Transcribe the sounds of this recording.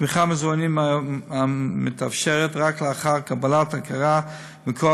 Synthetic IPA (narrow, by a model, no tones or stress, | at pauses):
miχamezuanimaamet̪afʃeʁetʁakleaχaʁkabalatakʰaʁa | mikʰo